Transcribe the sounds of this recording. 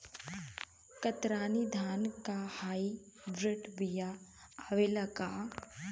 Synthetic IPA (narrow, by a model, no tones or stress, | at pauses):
kɐt̪ɾaːnid̪ʱaːnkahaːi | bɾɪʈbijaaʋelakaː